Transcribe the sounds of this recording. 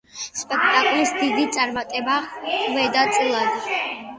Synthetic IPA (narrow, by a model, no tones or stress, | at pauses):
spʼɛkʰt̪ʼakʼlisd̪id̪it̪sʼaɾmat̪ʼɛbavɛd̪at̪sʼilˠad̪